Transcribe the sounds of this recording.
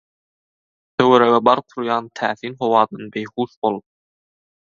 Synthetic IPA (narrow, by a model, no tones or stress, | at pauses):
t̪ʰøweɾeɣebɑɾqʰuɾjɑːnt̪ʰæːθiːnχo̞wɑːd̪ɑnbejχuːʃbolˠ